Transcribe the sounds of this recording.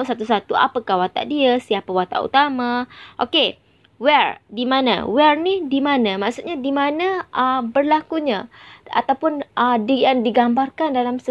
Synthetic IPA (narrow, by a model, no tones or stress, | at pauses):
sat̪usat̪ua̰pəkahwat̪a̰ʔdiəsiapawat̪a̰ʔṵt̪amãʔo̰ke | wɛrdimãnã̰wɛrnidimãnãmaʔsut̪̚ɲadimanə̃əbərlakuɲaa̰t̪awpʊnʔədijaŋdiɡambarkandalamsə